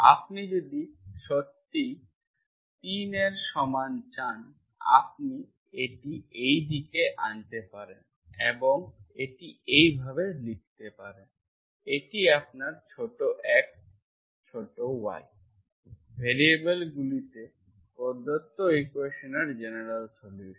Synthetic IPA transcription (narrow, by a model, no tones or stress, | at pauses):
a̰pnid͡ʑod̪iʃot̪ːi | t̪ineɾʃɔmant͡ɕan | a̰p̚ni | eʈiejd̪ʱikeʔant̪epaɾen | eboŋeʈiejbʱabelik̚t̪epaɾen | eʈiap̚naɾt͡ɕʰoʈoʔɛk̚ | t͡ɕʰoʈowa̰j | bʱeɾiebelɡulit̪e | koɾd̪ʱot̪ːoekuweʃoneɾd͡ʑeneɾalsoljuʃ